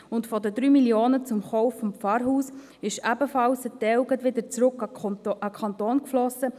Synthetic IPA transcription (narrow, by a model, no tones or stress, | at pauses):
ʊntfɔd̪əd̪ɾyːmiljoːnət͡sʊmχɔʊfːɔmpp͡fɑːɾɦuːs | ɪʃæbəfɑlsətːɛʊɡətʋɪd̪əɾt͡sɾʊkɑɑkʰɑnt̪oːnkflɔsə